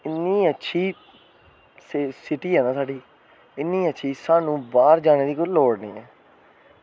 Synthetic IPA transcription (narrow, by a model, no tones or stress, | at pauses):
ɪnːiːətːʃʰiː | ssɪʈiːɦɛːnaːsaːɖiː | ɪnːĩːətːʃʰiːsaːnũːbaːɾd͡ʒaːneːd̪iːkoloːɽnḭːɛ̰ː